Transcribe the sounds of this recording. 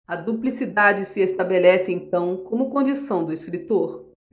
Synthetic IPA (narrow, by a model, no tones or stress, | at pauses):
ɐd̪uplisid̪ad͡ʒɪsɪest̪abelɛsɪẽt̪ɐ̃w̃kõmʊkõd͡ʒisɐ̃w̃d̪ʊeskɾit̪oɾ